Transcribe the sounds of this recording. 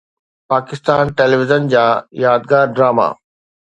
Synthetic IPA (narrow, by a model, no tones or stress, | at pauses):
paːkɪst̪aːnʈeliʋɪzənd͡ʑaːjaːd̪̚ɡaːɾɖɾaːma̰ː